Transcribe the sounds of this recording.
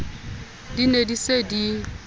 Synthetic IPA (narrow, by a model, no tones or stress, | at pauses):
dinedisedi